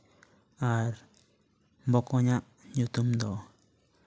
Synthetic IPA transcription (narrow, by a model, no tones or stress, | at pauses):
aɾ | mbokoɲãʔ | ɲũt̪umnd̪o